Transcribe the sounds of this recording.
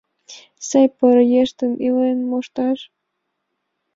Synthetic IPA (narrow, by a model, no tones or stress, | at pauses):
sejpəɾjeʃt̪ənilenmoʃt̪ɑʃ